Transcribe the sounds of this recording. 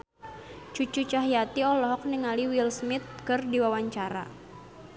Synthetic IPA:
t͡ʃut͡ʃut͡ʃaɦijat̪iɔlɔɦɔk̚niŋaliwilsmɪt̪̚kɨrdiwawaɲt͡ʃaɾa̰

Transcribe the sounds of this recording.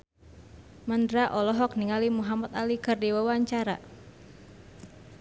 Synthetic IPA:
mandɾaʔɔlɔɦɔk̚niŋalimuɦamat̪alikɨrdiwawaɲt͡ʃaɾa

